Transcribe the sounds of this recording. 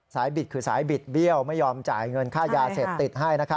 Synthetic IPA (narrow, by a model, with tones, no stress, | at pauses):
saː˩˦jbi˨˩t̪̚kʰɯː˧sa̰ː˩˦jbi˨˩t̪̚bi˥˩əwma˥˩jːɔː˧mt͡ɕa̰ː˨˩jŋɤ˧nkʰaː˥˩jaː˧se˨˩p̚t̪i˨˩t̪̚ɦa˥˩jna˦˥kʰa˦˥